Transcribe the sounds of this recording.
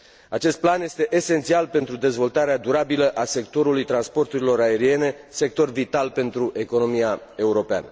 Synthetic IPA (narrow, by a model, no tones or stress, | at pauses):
at͡ʃe̞st̪̚planje̞st̪e̞ʔese̞nt̪sialpe̞nt̪ɾud̪e̞zvo̞lt̪aɾead̪uɾabiləʔase̞k̚t̪o̞ɾulujt̪ɾanspo̞rt̪uɾilo̞ɾae̞ɾie̞ne̞ | se̞k̚t̪o̞rvit̪alpe̞nt̪ɾuʔe̞ko̞no̞mija | e̞uɾo̞pea̰nə